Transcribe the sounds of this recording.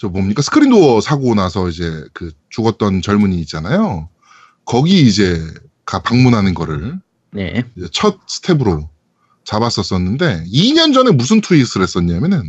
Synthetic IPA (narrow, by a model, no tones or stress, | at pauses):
t͡ɕʌbomɲik͈asʰɯ̥kʰɯɾindoʌsʰaɡonasʰʌid͡ʑe̞kɯt͡ɕuɡʌt̚t͈ʌnt͡ɕʌɭmuɲiːt̚t͡ɕ͈anajo | kʌɡiːd͡ʑe̞ | kapaŋmunɦanɯnɡʌɾɯɭ | nḛd͡ʑet͡ɕʰʌt̚sʰɯ̥tʰe̞bɯɾo | t͡ɕabas͈ʌs͈ʌnːɯnde̞iɲʌnd͡ʑʌne̞musʰɯntʰuis͈ʰɯɾɦe̞s͈ʌɲamjʌnɯn